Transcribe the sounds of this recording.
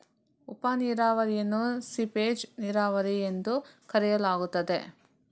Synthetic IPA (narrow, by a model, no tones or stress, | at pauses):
upaniːɾaːʋɐɾijɐnːusipeːd͡ʒniːɾaːʋɐɾiend̪ukɐɾɛjɐlaːɡut̪ːɐd̪e̞̰